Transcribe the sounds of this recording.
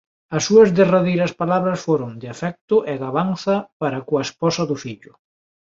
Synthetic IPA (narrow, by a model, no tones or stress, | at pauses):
ɐsːuɐzðeraðejɾɐspalaβɾɐsfoɾʊŋd̪ɪafɛk̚t̪ʊʔɛɣaβanθɐpaɾɐkwɐespɔsɐðʊfiʎʊ